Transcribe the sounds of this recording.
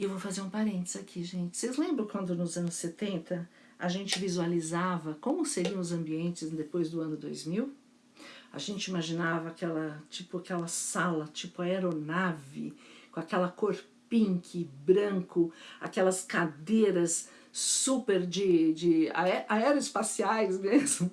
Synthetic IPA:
ewvowfazeɾũpaɾẽnt̪ɪ̥z̥akʰiʒẽnt͡ʃɪ̥sejzlẽmbɾɐ̃kwɐ̃nd̪ʊnʊzɐ̃nʊsset̪ẽnt̪ɐ | aʒẽnt͡ʃɪvizualizavɐkõmʊseɾinʊzɐ̃mbiẽnt͡ʃɪzd̪epojzd̪ʊɐ̃nʊd̪ojzmiw | a̰ʒẽnt͡ʃɪimaʒinavɐːkɛlɐt͡ʃipʊakɛlɐsalɐt͡ʃipʊɐeɾonavɪ̰kõakɛlɐkoɾpĩŋkʰɪbɾɐ̃ŋkʊa̰kɛlɐskad̪eɾɐs | supeɾd͡ʒɪd͡ʒɪa̰ɛʔaɛɾɐɪspasiajzmezmʊ

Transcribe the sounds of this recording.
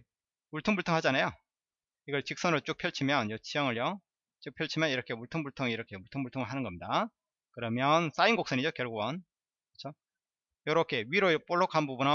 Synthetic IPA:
muɭtʰoŋbuɭtʰoŋhad͡ʑanajo | iɡʌɭt͡ɕik̚s͈ʌnɯɭt͡ɕ͈uk̚pʰjʌɭt͡ɕʰimjʌnjʌt͡ɕʰijʌŋɯɭjʌ | t͡ɕ͈uk̚pʰjʌɭt͡ɕʰimjʌniɾʌkʰe̞muɭtʰoŋbuɭtʰoŋiɾʌkʰe̞muɭtʰoŋbuɭtʰoŋɯɭɦanɯnɡʌmɲida | kɯɾʌmjʌns͈ainɡok̚s͈ʌnid͡ʑokjʌɭɡoʌn | kɯt͡ɕʰo | jʌɾʌkʰe̞ɥiɾop͈oɭːʌkʰanbubunʌ

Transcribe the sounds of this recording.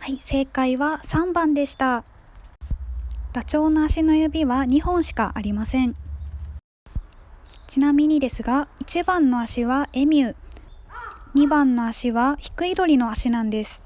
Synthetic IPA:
haise̞ːkaiβasãmbãnd̪e̞ɕi̥t̪a | t̪at͡ɕo̞ːno̞aɕino̞jɯbʲiβaɲ̟ihõ̞ɰ̃ɕi̥ka̰ʔaɾʲimasẽ̞ɴ | t͡ɕinamʲiɲ̟id̪e̞sɨɡait͡ɕibãnːo̞aɕiβae̞mʲɯ̟ | ɲ̟ibãnːo̞aɕiβaçi̥kɯ̟id̪o̞ɾʲino̞aɕinãnd̪e̞sɨ̥

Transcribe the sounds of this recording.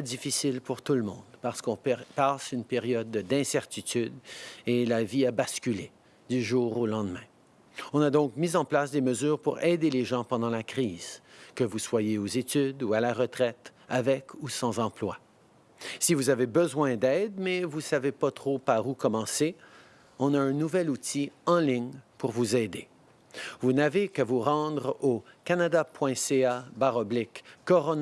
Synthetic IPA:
ɛd̪ifisilpuʁt̪ulmɔ̰̃d̪paʁsə̥kɔ̃ppasynpeʁjɔd̪d̪ɛ̃sɛʁt̪it̪yd̪elaviabaskʲyle | d̪yʒuːʁolɑ̃d̪mɛ̃ | ɔ̃nad̪ɔ̃kmizɑ̃plasd̪eməzyːʁpuʁɛd̪eleʒɑ̃pɑ̃d̪ɑ̃lakχiːz̥kəvuswajeozet̪yd̪ualaʁət̪χɛt̪avɛkʰusɑ̃zɑ̃plwa | sivuzavebəzwɛ̃d̪ɛd̪mɛvusavepat̪χopaʁukɔmɑ̃se | ɔ̃naɛ̃nuvɛlut̪ʰiɑ̃liɲpuʁvuzɛd̪e | vunavekəvuʁɑ̃d̪ʁokanad̪apwɛ̃seabaʁɔblɪkːɔʁɔn

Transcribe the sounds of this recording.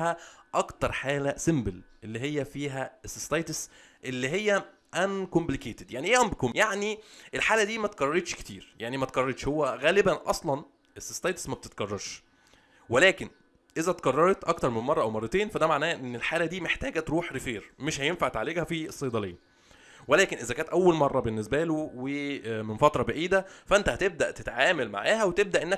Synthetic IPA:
hæʔɑkt̪ɑɾˤħaːlæsembelʔelːiɦejːæfiːɦæʔesːest̪ɑjt̪es | ʔelːiɦejːæ | ʔænkomblikeːt̪ed̪jaʕniʔeʔæmbkomjaʕniʔelħaːlæd̪iːmæt̪̚kɑrˤːɑɾˤet̪ʃke̥t̪ḭːɾjaʕnimæt̪̚kɑrˤɑɾeːʃhowːæɣæːlebænʔɑ̰sˤlɑn | ʔesest̪ɑjt̪esmæb̚t̪et̪̚ɡɑrˤːɑɾˤʃ | welæːken | ʔezæt̪kɑrˤːɑɾˤet̪ʔɑkt̪ɑɾˤmenmɑrˤːɑʔæwmɑrˤːɑt̪eːnfæd̪æmaʕnæːʔenːelħaːlæd̪iːmeħt̪æːɡæt̪ɾuːħɾefeːɾmeʃhæjenfaʕt̪ʕleːɡhæfiesˤːɑjd̪ˤɑlḛːn | welæːkenʔezækæːnt̪ʔæwːælmɑrˤːɑbenːes̬bælowemenfɑt̪ɾˤɑbæʔiːd̪æfæʔent̪æhæt̪eb̚d̪æʔt̪et̪ʕaːmælma̰ʕaːɦæwet̪eb̚d̪æʔenːæ

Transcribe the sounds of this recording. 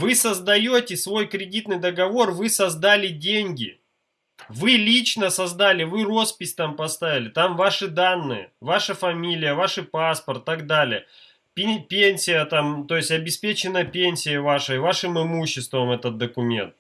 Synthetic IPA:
vɨsəzd̪ɐjotʲɪsvo̞jkɾʲɪdʲit̪nɨjd̪əɡɐvo̞rvɨsɐzd̪alʲɪdʲenʲɡʲɪ̰ | vɨlʲit͡ɕnəsɐzd̪alʲɪvɨro̞spʲɪsʲt̪ampɐst̪avʲɪlʲɪt̪amvaʂɨd̪anːɨ̰jə̰vaʂəfɐmʲilʲɪjəvaʂɨpaspərt̪ːaɡd̪alʲɪjə | pʲpʲenʲsʲɪjət̪amt̪o̞jɪsʲɐbʲɪspʲet͡ɕɪnːəpʲenʲsʲɪjɪvaʂɨjvaʂɨmɨmuɕːɪst̪vəmɛt̪ət̪̚d̪əkʊmʲe̞̰nt̪̚

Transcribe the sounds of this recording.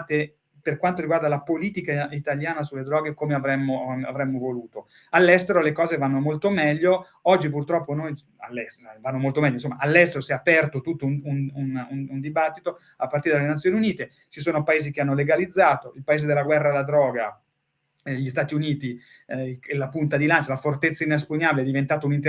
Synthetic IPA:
t̪e | perkwant̪oɾiɡward̪alapoliːt̪ikait̪aljaːnasulːed̪ɾɔːɡekomeavɾɛmːoa̰vɾɛmːovoluːt̪o | alːɛst̪eɾolekɔːzevanːomolt̪omɛʎːo | ɔd͡ʒːipurt̪ɾɔpːonoj | a̰lːɛsvanːomolt̪omɛlʎːoinsomːaʔalːɛst̪eɾosɛapɛrt̪ot̪ut̪ːounununund̪ibat̪ːit̪o | apːart̪iɾed̪alenat̪sːjoːniuniːt̪e | t͡ʃisoːnopaeːzikeanːoleɡalid̪zːaːt̪oilpaeːzed̪elaɡwɛrːaalːad̪ɾɔːɡa | ʎist̪aːt̪iuniːt̪i | lapunt̪ad̪ilant͡ʃalafort̪et̪sːainespuɲːabileɛd̪ivent̪aːt̪aunint̪

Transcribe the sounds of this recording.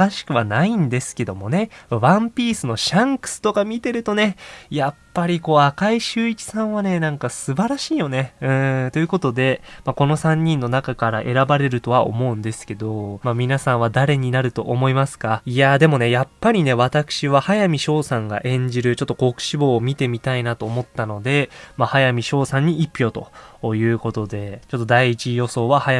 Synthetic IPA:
aɕi̥kɯ̟βanaĩnd̪e̞sɨ̥ke̞d̪o̞mo̞ne̞βãmpʲiːsɨno̞ɕãŋkɯ̟̥sɨ̥t̪o̞kamʲit̪e̞ɾɯ̟t̪o̞ne̞japːaɾʲiko̞ːakaiɕɨːikʲi̥sãɰ̃β̞ane̞nãŋkasɨbaɾaɕiːjo̞ne̞ɯ̟̃t̪o̞jɯ̟ko̞t̪o̞d̪e̞mako̞no̞sãɲ̟ːĩnːo̞nakakaɾaʔe̞ɾabaɾe̞ɾɯ̟t̪o̞βao̞̰mo̞ɯ̟̃nd̪e̞sɨ̥ke̞d̪o̞mamʲinasãɰ̃β̞ad̪aɾe̞ɲ̟inaɾɯ̟t̪o̞ʔomo̞imasɨ̥kaijad̪e̞mo̞ne̞japːaɾʲine̞βat̪akɯ̥ɕiβahajamʲiɕo̞ːsãŋɡa̰ʔẽ̞ɲ̟d͡ʑiɾɯ̟t͡ɕo̞t̪ːoko̞kɯ̟̥ɕibo̞ːmʲit̪e̞mʲit̪ainat̪o̞ːmo̞t̪ːano̞d̪e̞mahajamʲiɕo̞ːsãɲ̟ːiʔipʲːjo̞ːt̪o̞̰jɯ̟ːko̞t̪o̞d̪e̞t͡ɕo̞t̪ːo̞d̪aiːt͡ɕijo̞so̞ːβahaja

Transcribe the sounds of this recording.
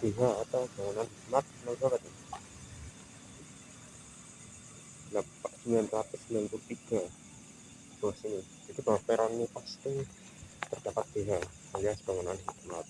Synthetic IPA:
d̥eɦaːt̪awb̥aŋunanɦitmat̪̚nabakat̪a | lapakd̪iɲanlat̪ʊsnant̪ut̪iɡ̥a | b̥uasini | it̪ib̥awapeɾɔnːipast̪ɪ | t̪ərd̪apat̪̚b̥eɦa | aliasb̥aŋunanɦit̪mat̪̚

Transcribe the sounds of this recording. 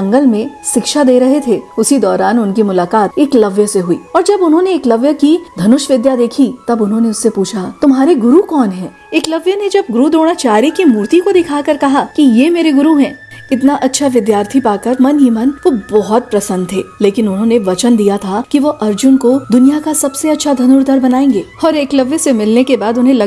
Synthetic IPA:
ɐ̃ŋɡəlmẽʃɪkʃad̪eːɾɐɦet̪ʰeʊsid̪ɔːɾaːnʊnkimʊlaːkaːt̪eːklɐʋjəseɦuḭːɔːɾd͡ʒɐbʊnɦõneːklɐʋjəkid̪ʱɐnʊʃʋɪd̪jad̪eːkʰit̪ɐbʊnɦõneʊsːepuːt͡ʃʰat̪ʊmɦaːɾeɡʊɾukɔːnɦɛ̃ː | eːklɐʋjəned͡ʒɐb̚ɡʊɾud̪oːɽ̃at͡ʃaːɾikimuːɾt̪ikod̪ɪkʰaːkɐɾkɐɦakijemeːɾeɡʊɾuɦɛ̃ː | ɪt̪naʔɐtːʃʰaʋɪd̪jaːɾt̪ʰipaːkɐɾmɐnɦimɐnʋobɔɦɔt̪̚pɾɐsə̃nd̪ʱɦɛːleːkɪnʊnɦõneʋɐt͡ʃənd̪ijat̪ʰakiʋoʔɐɾd͡ʒʊnkod̪ʊnijakasɐbseɐtːʃʰad̪ʱɐnʊɾd̪ʱəɾbɐnaːẽːŋɡeːɔːɾeːklɐʋjəsemɪlnekebaːd̪ʊnɦẽlɐ

